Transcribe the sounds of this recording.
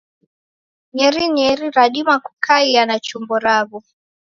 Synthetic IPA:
ɲɛɾiɲɛɾiɾaɗimaku̥kʰaianat͡ʃumbɔɾaβu

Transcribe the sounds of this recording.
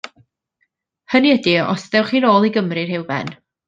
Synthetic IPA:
həniədiɔ̰sðɛwχiːnoːlˠiɡəmrɨrhɪwbɛ̰n

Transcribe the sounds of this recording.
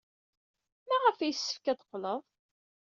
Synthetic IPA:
mæʁəfæjəsːə̥fkæðə̥qːləðˤ

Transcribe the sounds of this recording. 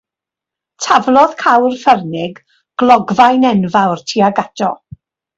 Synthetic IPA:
tʰavlˠɔð̥kʰawrfərnɪɡ | ɡ̥lˠɔɡvajnɛnvawrtʰiːaɡadɔ

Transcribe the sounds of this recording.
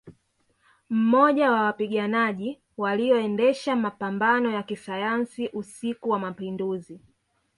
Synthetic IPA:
m̩mɔʄawawapiɠanaʄi | waliɔɛndɛʃamapambanɔjakisajansiʔusikuwamapinduzi

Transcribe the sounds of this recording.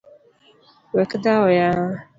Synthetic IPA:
wɛkɪdawɔja

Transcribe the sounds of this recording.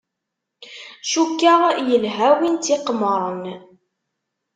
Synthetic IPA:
ʃukːaʁjəlɦæwint̪iqməɾˤən

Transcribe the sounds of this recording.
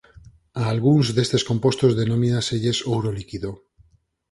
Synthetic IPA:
aːlɣunzðe̞st̪e̞sko̞mpo̞st̪ozðe̞nõminaseʎe̞sowɾolikiðo

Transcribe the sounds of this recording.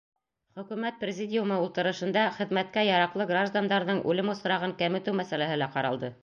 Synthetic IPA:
χɵ̆kʉmæt̪̚prʲɪzʲɪdʲɪjumɤulˠt̪ɤ̆ɾɤ̆ʃɤ̆nd̪ɑχɘ̆ðmæt̪̚kæjɑɾɑqlˠɤɡraʒd̪and̪ɑɾðɤɴʉ̰lɘmŏsɾɑʁɤŋkæmɘ̆t̪ɘwmæsælæhɘ̆læqɑɾɑ̰lˠd̪ɤ

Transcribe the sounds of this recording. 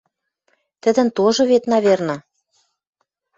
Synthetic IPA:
t̪ə̆d̪ə̆nt̪oʒŏβet̪nɑβernɑ

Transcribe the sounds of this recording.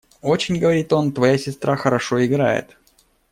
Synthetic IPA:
o̞t͡ɕɪnʲɡəvɐɾʲit̪o̞nt̪vɐjasʲɪst̪ɾaxəɾɐʂo̞ɪɡɾa̰jɪ̰t̪

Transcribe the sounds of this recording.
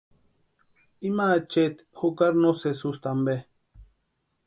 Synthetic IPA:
imat͡ʃet̪ | hukaɾnosesust̪ambe

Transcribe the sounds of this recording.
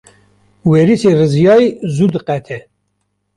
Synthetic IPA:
wɛɾiserɨzjɑːjzud̪ɨqɛt̪ʰɛ

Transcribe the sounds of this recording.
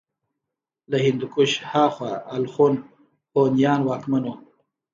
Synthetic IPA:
lahɪnd̪ʊkʊʃhɑːxwaalxun | ponjɑːnwɑːkmano

